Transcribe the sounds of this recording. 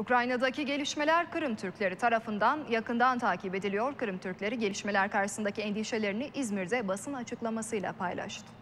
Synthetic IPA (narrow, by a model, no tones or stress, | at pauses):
ukɾajnad̪aciɟe̞lʲiʃme̞lʲæɾkʰɯɾɯmt̪ʰyɾcʲlʲe̞ɾit̪ʰaɾafɯnd̪anjakɯnd̪ant̪ʰaːcʰibe̞d̪ilʲijo̞ɾkɯɾɯmt̪ʰyɾclʲe̞ɾiɟe̞lʲiʃme̞lʲæɾkaɾʃɯ̥sɯnd̪acʰiɛnd̪iʃe̞lʲe̞ɾiniʔizmiɾzɛbasɯnat͡ʃʰɯklˠamasɯjlˠa̰pʰajlˠa̰ʃt̪ʰɯ̥